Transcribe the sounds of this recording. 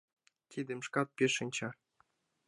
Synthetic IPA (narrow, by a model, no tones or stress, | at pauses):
t̪ʲid̪ɘ̆mʃkɑt̪̚pʲeʃɘ̆nʲt͡ɕɑ